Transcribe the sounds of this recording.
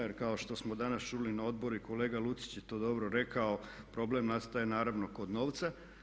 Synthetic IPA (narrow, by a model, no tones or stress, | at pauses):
jeɾkao̞ʃt̪o̞smo̞d̪anast͡ʃuːlinao̞d̪̚bo̞ɾuiko̞le̞ːɡalut̪si̥t͡ɕjet̪o̞ːd̪o̞bɾoɾe̞kao̞ | pɾo̞ble̞mnast̪ajenaːɾaʋno̞ko̞d̪no̞ːʋt̪sa